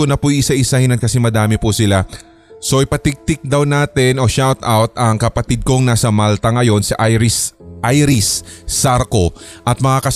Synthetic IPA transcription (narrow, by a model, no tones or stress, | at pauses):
onɐpʊjʔɪsaʔɪsahɪnɐt̪̚kɐsɛmɐd̪aːmɛpʊsɪla | so̞ʔɪpɐt̪ɪɡ̚t̪ɪk̚d̪ɐwnaːt̪ɪnʔo̞ʃawt̪awt̪ɐŋkɐpɐt̪id̪̚koŋnaːsɐmalt̪ɐŋɐjo̞nsiʔaɾɪsʔajɾɪsːaɾko̞ʔɐt̪̚mɐŋakɐ